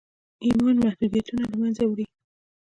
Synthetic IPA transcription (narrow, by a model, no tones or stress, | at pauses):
imɑnmahd̪ud̪ijat̪unalamanzawɽi